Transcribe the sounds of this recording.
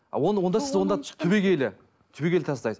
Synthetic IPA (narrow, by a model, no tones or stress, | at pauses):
ɑ̰wonwond̪ɑsɪzwo̞nd̪ɑt̪ʰʏbe̞kʲʰe̞lɪ | t̪ʰʏbekʰʲe̞lɪt̪ʰɑsd̪ɑjz